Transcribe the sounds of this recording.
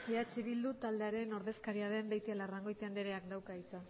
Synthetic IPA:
eat͡ʃiβild̪ut̪ald̪e̞aɾe̞no̞ɾðe̞skaɾiaðe̞mbe̞jt̪ialaraŋɡo̞jt̪eand̪eɾe̞akd̪awkait͡sa

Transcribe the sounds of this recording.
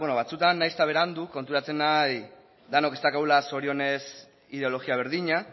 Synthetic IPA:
βonoβat͡sut̪anːajst̪aβe̞ɾand̪uko̞nt̪uɾat͡se̞naj | d̪anoke̞st̪akawlaso̞ɾio̞ne̞s | ið̞e̞o̞lo̞ɣiaβ̞e̞ɾðiɲa

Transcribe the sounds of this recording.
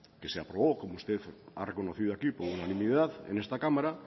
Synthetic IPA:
ke̞seapɾoβoko̞moust̪e̞θa̰re̞ko̞no̞θiðoakipo̞ɾunanĩmiðaθḛnest̪akamaɾa

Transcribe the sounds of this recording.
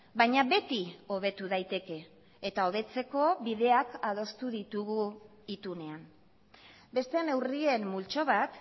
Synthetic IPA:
bajɲaβe̞t̪io̞β̞e̞t̪uðajt̪e̞ke̞ː | t̪ao̞β̞e̞t͡se̞ko̞βið̞e̞akað̞o̞st̪uðit̪uɣu | it̪une̞am | be̞st̪e̞ne̞wrie̞mːult͡ʃo̞β̞at̪

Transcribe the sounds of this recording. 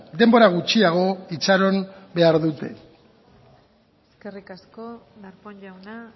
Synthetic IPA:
d̪e̞mbo̞ɾaɣ̞ut͡ʃiaɣ̞o̞it͡saɾo̞nbe̞aɾðut̪e̞̰ | eskerikasko | daɾpoɲʎawna

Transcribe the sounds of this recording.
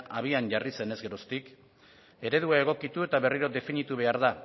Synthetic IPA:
ʔaβ̞ianʝarise̞ne̞zɡe̞ɾo̞st̪ik | e̞ɾe̞ðuae̞ɣ̞o̞kit̪ue̞t̪aβe̞riɾo̞d̪e̞finit̪uβ̞e̞aɾða

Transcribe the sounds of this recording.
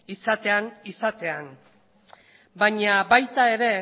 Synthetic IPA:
isat̪e̞anisat̪e̞an | baɲabajt̪ae̞ɾe̞

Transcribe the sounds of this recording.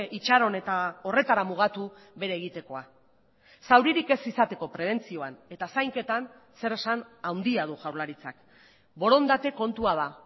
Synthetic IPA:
ʔit͡ʃaɾo̞ne̞t̪ao̞re̞t̪aɾamuɣ̞at̪u | βe̞ɾeːɣ̞it̪e̞ko̞a | sawɾiɾike̞sisat̪e̞ko̞pɾe̞β̞e̞nt͡sio̞ane̞t̪asajŋke̞t̪an | se̞ɾe̞sanawnd̪iað̞uʝawɾlaɾit͡sak | bo̞ɾo̞nd̪at̪e̞ko̞nt̪uað̞a

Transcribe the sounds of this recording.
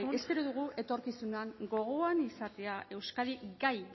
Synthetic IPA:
ese̞ɾoðuɣ̞uʔe̞t̪o̞ɾkisunaŋɡo̞ɣ̞oanisat̪e̞ae̞wskaðiɡaj

